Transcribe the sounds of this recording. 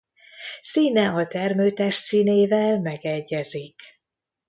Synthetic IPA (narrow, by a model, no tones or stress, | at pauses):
siːnɛɒt̪ɛrmøːt̪ɛʃt̪siːneːvɛlmɛɡɛɟːɛzik